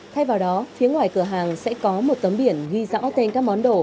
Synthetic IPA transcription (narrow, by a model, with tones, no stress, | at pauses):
t̪ʰa˧jvaː˨˩wɗɔ˨˦fi˨˦əŋwaː˨˩jkɨ˧˩əɦaː˨˩ŋsɛ̰˧˥kɔ˨˦mo˨˩t̚t̪ə˨˦mɓi˧˩ənɣi˧za̰ː˧˥wt̪e˧nkaː˦˥k̚mɔ˨˦nɗo˧˩